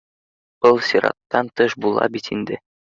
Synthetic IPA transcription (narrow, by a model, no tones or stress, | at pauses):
b̥ɤlˠsʲiɾɑ̰t̪ːɑnt̪ɤʃbulˠɑ̰bit̪ind̪ɘ